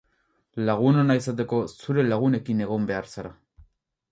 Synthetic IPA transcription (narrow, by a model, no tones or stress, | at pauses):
laɣunanaisat̪e̞ko̞suɾe̞laɣ̞une̞kine̞ɣo̞mbe̞aɾsaɾa